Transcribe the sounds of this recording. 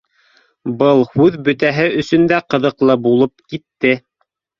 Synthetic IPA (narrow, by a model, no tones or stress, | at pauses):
bɤlˠhʉðbɵ̆t̪æɦɘʔɵ̆sɵ̆nd̪æqɤ̆ðɤ̆qlˠɤbulˠɤp̚kit̪ːɘ